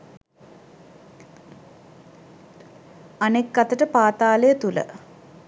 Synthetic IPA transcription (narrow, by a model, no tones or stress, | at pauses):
anekːat̪əʈəpaːt̪aːləjət̪ulə̰